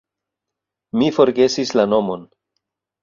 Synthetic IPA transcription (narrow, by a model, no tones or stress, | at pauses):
mifo̞ɾɡe̞sislano̞mo̞n